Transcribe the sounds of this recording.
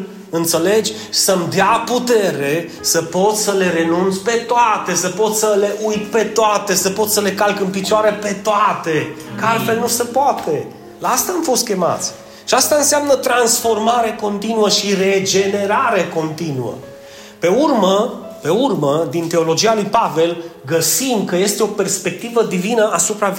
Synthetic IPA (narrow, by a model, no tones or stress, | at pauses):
ɨnt̪se̞le̞d͡ʒʲ | səmd̪eaput̪e̞ɾe̞ | səpo̞t̪səle̞ɾe̞nunt̪sʲpe̞t̪oat̪e̞səpo̞t̪ssəle̞ʔujt̪pe̞t̪oat̪e̞səpo̞t̪səle̞kalkɨnpit͡ʃoaɾepe̞t̪oat̪ekəalfe̞lnusepoat̪e̞ | laast̪aːmfo̞st̪̚kʲe̞ma̰t̪sʲ | ʃiast̪aɨnseamnət̪ɾansfo̞rmaɾeko̞nt̪inuəʃire̞d͡ʒe̞ne̞ɾaɾeko̞nt̪inuə̰ | pe̞urməpe̞urməd̪int̪e̞o̞lo̞d͡ʒialujpave̞lɡəsimkəje̞st̪eo̞perspe̞k̚t̪ivəd̪ivinəʔasupɾa